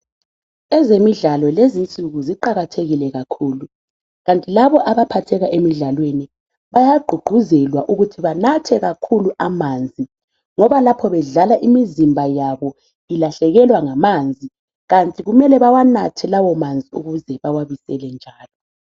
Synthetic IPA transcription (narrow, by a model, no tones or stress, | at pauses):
ɛzemiɮalɔlezint͡sʼuɣuziǃaɣatʰeɣilɛɣakʰuːlu | ɣantʼilaβɔʔaβapʰatʰɛɣaʔemiɮalweni | βajaɡ͡ǃʱuɡ͡ǃ̥ʱuzɛlwaʔuɣutʰiβanatʰɛɣakʰuluʔamand͡zʱi | ŋɔβalapʰɔβɛɮalaʔimizimbʱajaβɔ | ilaɬɛɣɛlwaŋamand͡zʱi | ɣantʼiɣumɛlɛβawanatʰɛlawɔmand͡zʱiuɣuzɛβawaβisɛlɛnd͡ʒʱaːlɔ